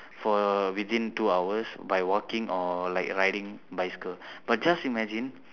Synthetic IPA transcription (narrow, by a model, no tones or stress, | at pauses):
fɔwit̪ĩntuawəsbajwɔkĩŋɔlajkɹajdĩŋbajskəb̥at̚d͡ʒasimɛd͡ʒĩn